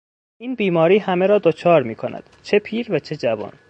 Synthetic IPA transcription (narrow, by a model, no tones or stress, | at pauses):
ʔiːnbiːmɒːɾiːhæmeɾɒːd̪ot͡ʃʰɒːɾmiːkʰonæ̰d̪̥t͡ʃʰe̞pʰiːɾvæt͡ʃʰed͡ʒævɒ̰ːn